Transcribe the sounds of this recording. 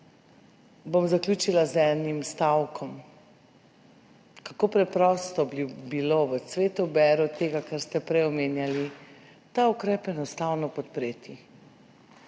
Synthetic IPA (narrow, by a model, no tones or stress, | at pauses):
bomzaklʲuːt͡ʃilazɛnimst̪awkʰɔm | kakoːpɾɛpɾɔːst̪ɔbiloʋəsʋeːt̪ubɛːɾɔt̪eːɡakaɾst̪ɛpɾɛjɔmeːnjali | t̪aukɾɛːpɛnɔst̪awnɔpɔt̪̚pɾeːt̪i